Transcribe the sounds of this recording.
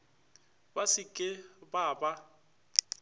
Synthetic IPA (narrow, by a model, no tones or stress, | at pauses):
basɪkʼɪbaːba